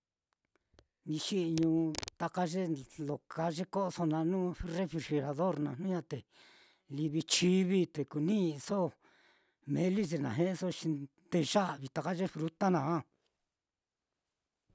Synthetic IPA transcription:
nĩ˧ʃi˦˧ɲũ˧t̪a˧ka˦ʐe˦lo˨ka˧ʐe˦ko˦ʔso˧nã˧nũː˦re˦fɾi˧˨ʃe˧ɾa˨ðo˦ɾnã˧˨n̥ũ˦ɲã˧t̪e˨ | li˧βi˧t͡ʃi˦βi˦t̪e˨ku˨nĩ˦˧so˦˨ | mẽ˧li˦se˧˨nã̰˨ɦẽ˦ʔso˦ʃi˧ | t̪e˧ʒa˦ʔβi˨˧t̪a˧ka˦ʐe˦fɾu˧t̪a˦nã˨a˦

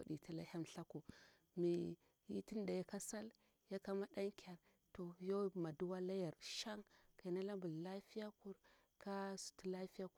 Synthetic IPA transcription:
a̰˨ɗi˨ta˦la̰˦ha˦mɬa˦ku˨ | mi˨ | ji˦ti˦n˦da˨ja˦ka˦sa˦l | ja˦ka˦ma˦da˦ŋkʰʲa˨ɾ | to˨jo˦ma˨du˦wa˦la˦ja˨ɾʃa˦ŋka˨i˨na˦la˦mbu˨lla˦fi˦ja˦ku˨ɾ | ka˦su̥˨ti˦la˦fi˦ja˦ku˨

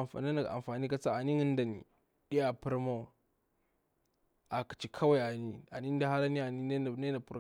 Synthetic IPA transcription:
fa̰˨n˦i˦na˨ʔa̰˨mfaː˨ni˦ka˦t͡sa˦a˨ni˦ŋi˦n˦da˨nḭ˨ | ɗi˦ja˨pu˦ɾma˦˨ | a˨ki̥˨t͡ʃi˨kʰa˦wa˦˨ja˨ni˦a˨ni˦n˦da˦ha˦ɾa˦ni˦a˨ni˦ne˦˨˦ne˦a˨pu˦ɾ

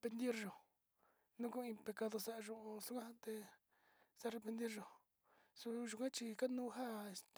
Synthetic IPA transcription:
pe˧nd̪i˦ɾʒõ˨ | nũ˦ku˦˧ĩ˧pe˧ka˧ðo˧sa˦ʔʒũ˧su˧˦kʷã˦a˦t̪e˧ | sa˦re˧pe˧nd̪i˦ɾʒo˧ | su˧ʒu˧kã˦t͡ʃi˧ka˦nũ˦˧ɦa˦˧st̪

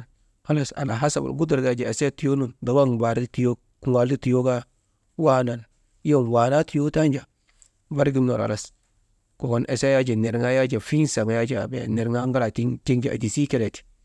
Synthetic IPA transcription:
ha˦la˨sa̰˨na˨ɦa˦sa̰˨ba̰˨ɡu˦du˨ɾɡa˦˨d͡ʒa˨e˨se˦ti˨jo˦nu˨nda˨wa˦ŋba˨ɾi˦ti˨jo˦ | ku˨wa˨ldi˦ti˨jo˦ɡa˦ | wa˦na˨n | jo˦˨n˨wa˨na˦ti˨jo˦ta˦nd͡ʒa˨ | ba˦ɾɡi˦mno̰˨ɾa̰˨la˦s | ko˨ɡo˨nʔe˨se˦ja˦d͡ʒe˨ne˨ɾŋa˦ja˦d͡ʒa˨fi˦nsa˨ŋ˨ja˦d͡ʒa̰˦˨bḛ˨ne˨ɾŋa˦ŋɡa˦la˨ti˦ti˦ŋd͡ʒa˨a̰˨di˨si˦ke˦le˨ti̥˨

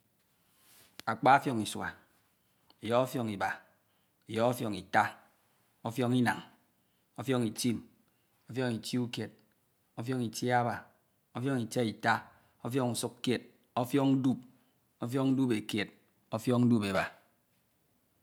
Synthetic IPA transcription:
a˨k͡pa˦a˦fjɔ˨ŋi˨swa̰˨ | e˨jɔ˦ɔ˦fjɔ˨ŋi˨ba˨ | e˨jɔ˦ɔ˦fjɔ˨ŋi˨ta˦ | o˦fjɔ˦ŋi˦na˨ŋ | o˦fjɔ˦ŋi˨ti˦m | o˦fjɔ˦ŋi˨ti˦u˦kje˨t̚ | o˦fjɔ˦ŋi˨ti˦a˦ba˨ | o˦fjɔ˦ŋi˨t͡ʃe˦i˨ta˦ | o˦fjɔ˦ŋu˨su˦kkje˨t̚ | o˦fjɔ˦ŋn̩˦du˦˨p̚ | o˦f̬jɔ˦ŋn̩˦du˦pe˨kje˨t̚ | o˦fjɔ˦ŋn̩˦du˦pe˨ba˨

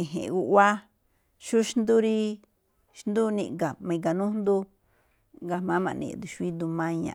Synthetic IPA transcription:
ĩ˨ɦḛ̃˨˧u˧ʔwa˦ | ʃu˦ʃnd̪u˦ɾi˦ | ʃnd̪u˦nḭ̃˧ʔɡa˨mã˧ĩ˨˧ɡa˨nũ˦nd̪u˦ | ɡa˧mã˨˦mã̰˧˨nḭ̃˧˨d̪u˨ʃu˧˦i˦d̪u˧mã˧ɲã̰˧˨

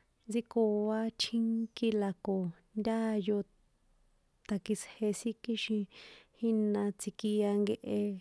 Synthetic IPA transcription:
d͡zi˧ko˨βa˧t͡ʃʰĩ˦ŋki˧la˨ko˨nd̪ʲa˦˧jo˧ | t̪a˨ki˧she˧si˦ki˦ʃĩ˧hi˦nã˧t͡si˧ki˧a˧ŋɡe˧ʔe˧

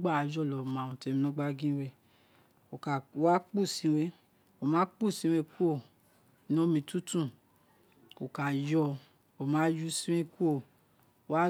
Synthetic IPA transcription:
ɡ͡ba˦˨a˨d͡ʒɔ˦˨lɔ˨mã˨ũ˨te˨˧˦mĩ˧nɔ̃˦ɡ͡ba˦ɡĩ˦we˧˨ | o˨ka˨˧˦wa˦k͡pu˦˨sĩ˨˧˦we˧˦ | o˨mãː˨˦k͡pu˦˨sĩ˨˧˦we˧˦ku˦o˦˨˦ | nɔ̃˨˦mĩ˧˦tu˦tũ˦˨ | o˨ka˨jɔ˧ | o˨mãː˨˦ju˦sĩ˦wẽ˦ku˦o˦˨˦ | wa˦

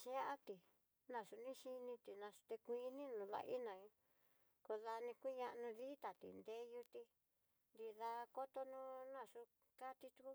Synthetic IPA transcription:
ʃã˦ʔa˦t̪i˨ | nã˧˨ʂu˧nĩ˦ʃi˧nĩ˧t̪i˨nã˧ʂu̥˧t̪e˧kʷĩ˧nĩ˦nũ˧ða̰˧ʔḭ˦nã˨ɲũ˧ | ko˧ða˧nĩ˧kʷi˦ɲã˧ʔnũ˧ði˦t̪a˨t̪ḭ˨nd̪e˧˦ju˧t̪i˧ | nd̪i˧ða˧ko˦t̪o˧nũ˦nã˧˨ʂu˧ | ka˦t̪i˧t̪u˧ku˦

